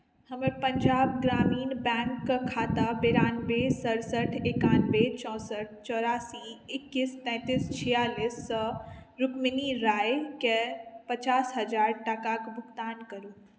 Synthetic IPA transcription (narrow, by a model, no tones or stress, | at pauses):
həmẽpəɲd͡ʒaːb̚ɡɾaːmiːnbɛ̃ːŋkːəkʰaːt̪abeɾaːnbesəɾsəʈʰekaːnbet͡ʃɔ̃ːsəʈ̚ʰt͡ʃɔːɾaːsiɪkːist̪ɛ̃ːt̪ist͡ʃʰijaːlisːɔɾʊkminiɾaːjkepət͡ʃaːsɦəd͡ʒaːɾʈakakbʱʊkt̪aːnkəɾut̪